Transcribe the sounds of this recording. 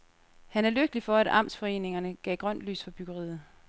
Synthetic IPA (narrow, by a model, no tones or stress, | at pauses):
hænæɐløɡ̥əlifɒ̽æd̥ɑ̈m̰sfɒ̽e̝̰ːne̝ŋɐnəɡ̥ɛ̰ːɡ̥ʁɶn̰d̥ly̰ːsfɒb̥yɡ̥ɐʁḭːð̩ˠ